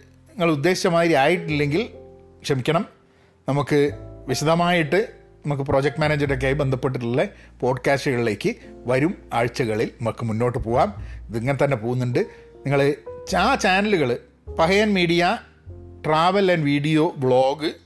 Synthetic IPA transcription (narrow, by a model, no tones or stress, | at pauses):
niŋːɐɭud̪ːe̞ːit͡ɕːɐmaːd̪ɾiaːjiʈːilːe̞ŋɡil | kʂɐmikʲːɐɳɐm | nɐmukːɨʋiɕɐd̪ʱɐmaːjiʈːɨ | nɐmuk̬ːɨpro̞ːd͡ʑek̚ʈmaːneːd͡ʑɐɾok̬ːejaːjibe̞nd̪ʱɐpːe̞ʈ̬ːiʈ̬ːuɭːɐpo̞ːɖkaːsʈɨɣɐɭile̞ːkːɨʋɐɾumaːɻt͡ɕːɐɣɐɭilnɐmɐkːɨmunːo̞ːʈːɨpo̞ːɣaːmɐðiŋːɐnet̪ɐnːe̞po̞ːɣunːuɳɖɨ | niŋːɐɭɨt͡ɕat͡ɕaːnɐluɣɐɭɨ | pɐɦɐjɐnmiːɽija | ʈraːʋɐlɐnʋiːɽijo̞ːbɭo̞ːɡɨ